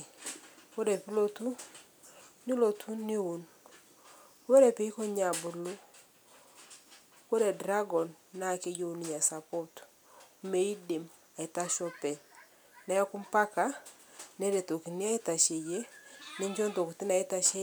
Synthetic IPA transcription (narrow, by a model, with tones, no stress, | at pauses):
wo˦ɾe˨pi˦lo˦tu˦ | nɪ˦lo˨tʰu˦nɪ˦u˨n | wo˦ɾɛ˨pi˦kɔ˦ɲa˨bʊ˨lu˦ | ko˦ɾe˨dɾa˦ɡɔ˨nːa˦˨ke˦d͡ʒo˦u˨ni˨ɲa˨sa˨pɔ˦t | me˨i˦de˨m | a˨ɪ˨ta˦ʃɔ˦pɛ˨ | na˦jɔ˦kʊ˦mpa˦ka˨ | nɛ˦ɾe˨to˨ki˨nɪ˦a˦ɪ˦ta˨ʃe˨je˦nɪ˦ɲd͡ʒɔ˦ndo˨ku˨tɪ˦na˨ɛ˦ta˦ʃe˦